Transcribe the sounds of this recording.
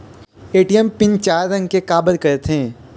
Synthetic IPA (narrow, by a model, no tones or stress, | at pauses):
eːʈijəmpɪ̃nt͡ʃaːɾːɐ̃ŋɡkekaːbəlkɐɾet̪ʰɦẽː